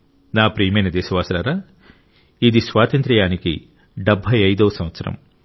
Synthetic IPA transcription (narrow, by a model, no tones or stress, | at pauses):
naːpɾiːɐmɐjnɐd̪ɛːsɐʋaːsɐɾaːɾaː | id̪isʋaːt̪ɐnt̪ɾɐjaːnikḭ | ɖɐbʱɐjɐjd̪oːsɐ̃mʋɐt̪sɐɾɐ̰m